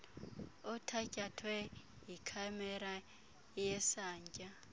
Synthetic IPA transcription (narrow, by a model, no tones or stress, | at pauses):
ɔtʰacʼatʰwɛ | ɦikʰamɛɾa | jɛsaːɲcʼa